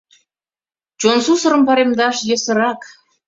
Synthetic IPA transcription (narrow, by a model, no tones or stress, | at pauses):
t͡ɕonsusə̆ɾə̆mpɑɾemd̪ɑʃjĕsə̆ɾɑk